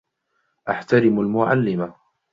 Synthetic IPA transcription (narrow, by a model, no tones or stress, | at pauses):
ʔaħt̪aɾɪmalmʊʕa̰lːɪma